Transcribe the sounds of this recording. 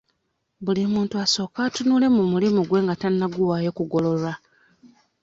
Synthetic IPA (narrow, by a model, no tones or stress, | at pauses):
bulimuːntuaso̞ːkaːtunuːle̞mumulimuɡwe̞ːŋɡatanːaɡuwaːjo̞kuɡo̞lo̞loɾa